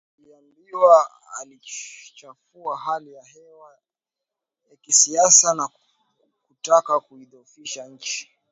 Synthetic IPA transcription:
aliambiwa | a̰lit͡ʃafuahalijahɛwa | jakisiasana | kutakakuiðɔfiʃaɲ̩t͡ʃi̥

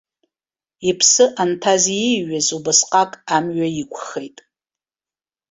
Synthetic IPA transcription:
ipʰsɨʔantʰaziɥazubɨsqʼakʼamɥajikʷʰʼχejtʼ

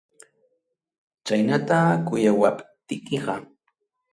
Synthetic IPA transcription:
t͡ʃajnat̪akʊjawapt̪ɪkɪɢɑ

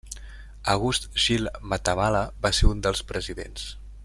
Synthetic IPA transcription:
əɣ̞ust̪ʒilˠmət̪əmaləbaseund̪əlˠspɾəziðḛns

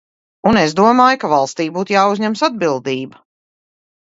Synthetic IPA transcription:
unezd̪uɔmaːjkavalˠst̪iːbuːt̪jaːuzɲɛmsad̪̚bilˠd̪iːbɐ

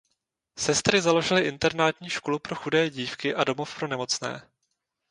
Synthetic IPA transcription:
sɛst̪ɾɪzalo̞ʒɪlɪʔɪnt̪ɛɾnaːt̪ɲiːʃko̞lupɾo̞xudɛːɟiːfkɪʔado̞mo̞fpɾo̞nɛmo̞t͡snɛ̰ː

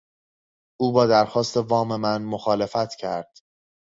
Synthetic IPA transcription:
ʔuːbɒːd̪æɾxɒːst̪ʰe̞vɒːme̞mænmoxɒːle̞fæt̪ʰcʰæɾd̪̥

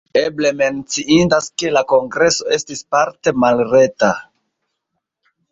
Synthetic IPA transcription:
eble̞me̞nt͡siindaske̞lako̞ŋɡɾe̞so̞e̞stispaɾte̞malɾe̞ta

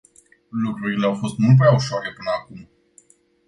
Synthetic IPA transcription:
lukɾuɾile̞awfo̞st̪mult̪̚pɾeauʃoaɾe̞pɨnəakum

